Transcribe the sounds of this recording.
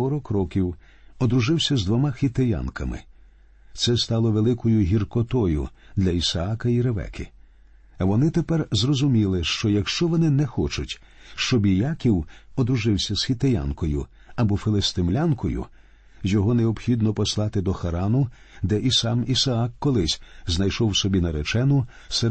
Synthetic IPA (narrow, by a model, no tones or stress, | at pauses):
ɔɾɔkɾɔkʲiw | ɔd̪ɾʊʒɪwsʲɐzd̪ʋɔmaxʲit̪eja̰nkɐmɪ̰ | t̪sɛst̪ɑlˠɔʋelˠɪkɔjʊɦʲirkɔt̪ɔjʊ̰d̪lʲɐisɐakɐiɾeʋɛ̰kʰɪ̰ | ɐʋɔnɪt̪epɛrzrɔzʊmʲilˠɪʃt͡ʃɔjɐkʃt͡ʃɔʋɔnɪnɛxɔt͡ʃʊtʲ | ʃt͡ʃɔbijakʲiwɔd̪ɾʊʒɪwsʲɐz̥xʲit̪eja̰nkɔjʊ | ɐbɔfelˠest̪ɪmlʲankʰɔjʊ̰ | zjɔɦɔneɔbxʲid̪nɔpɔslˠɑt̪ɪd̪ɔxɐɾɑnʊ | d̪ɛʔisɑmisɐakːɔlˠɪsʲznɐjʃɔwsɔbʲinɐɾet͡ʃɛnʊ | sɛ